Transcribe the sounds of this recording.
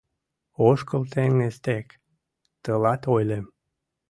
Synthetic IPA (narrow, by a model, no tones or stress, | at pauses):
oʃkəlt̪eŋnest̪ek | t̪əlɑt̪ojlʲem